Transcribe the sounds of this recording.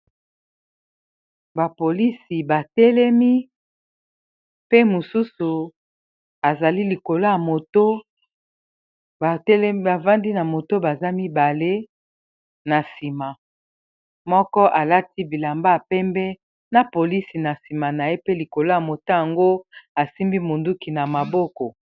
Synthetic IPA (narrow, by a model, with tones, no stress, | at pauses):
ba˨po˨li˦si˨ba˨tɛ˦lɛ˦mi˦ | pe˦mu˨su˦su˨ | a˨za˨li˦li˨ko˨lo˦ja˨mo˨to˦ | a˨tɛ˦lba˨va˦ndi˦na˨mo˨to˦ba˨za˦mi˦ba˨le˦ | na˨si˨ma˨ | mɔ˦kɔ˦ʔa˨la˦tʰi˦bi˨la˨mba˦a˨pɛ˦mbɛ˦ | na˨po˨li˦si˨na˨si˨ma˨na˨je˦pe˦li˨ko˨lo˦ja˨mo˨to˦ja˨ŋɡo˦a˨si˦mbi˦mo˨ndu˦ki˨na˨ma˨bɔ˦kɔ˨